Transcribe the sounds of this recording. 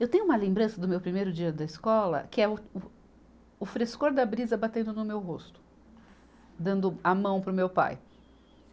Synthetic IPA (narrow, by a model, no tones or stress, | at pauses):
ewt̪ẽɲ̃ʊũmɐlẽmbɾɐ̃sɐd̪ʊmewpɾimejɾʊd͡ʒiɐd̪ɐiskɔlɐ̰kɪɛʊʊ | ʊfɾeskoɾd̪ɐbɾizɐbat̪ẽnd̪ʊnʊmewɦost̪ʊ̥ | d̪ɐ̃nd̪ʊɐmɐ̃w̃pɾʊmewpa̰j